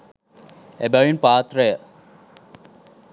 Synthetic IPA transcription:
ebɐɻinpaːt̪rɐjə

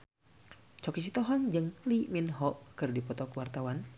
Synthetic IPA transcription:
t͡ʃɔkit͡ʃit̪ɔɦɔŋd͡ʒɨŋliminɦɔʔkɨrdipɔt̪ɔkwart̪awan

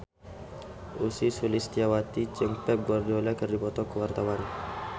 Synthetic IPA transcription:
ʔusisulist̪iawat̪it͡ʃəŋpɛp̚ɡɔrd͡ʒolɛkərdipɔt̪ɔkəwart̪awan

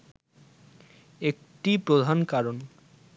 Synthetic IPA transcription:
ek̚ | ʈipɾod̪ʱankaɾon

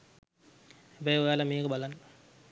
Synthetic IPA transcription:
ebɛjojalameːkəbalanː

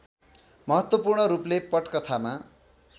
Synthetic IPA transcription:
mʌɦʌt̪wʌpurɳʌɾuplepʌʈkʌt̪ʰama

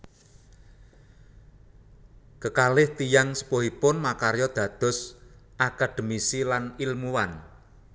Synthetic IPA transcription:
kəkalɪht̪ijaŋsə̥poɦipʊnmakaɾjɔd̪̥ä̤d̪̥ʊ̤sʔakad̪̥ə̤misilanilmuwan

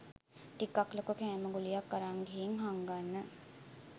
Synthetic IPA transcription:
ʈikaklokukɛːməɡulijakːəɾaŋɡeɦiŋɦaŋɡanːə

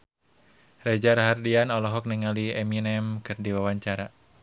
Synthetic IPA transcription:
red͡ʒaɾaɦardianɔlɔɦɔk̚nɛŋaliɛminɛmkɨrdiwawaɲt͡ʃaɾa

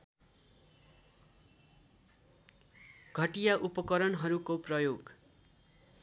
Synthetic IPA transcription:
ɡʱʌʈijaʔupʌkʌɾʌnɦʌɾukoprʌjoɡ

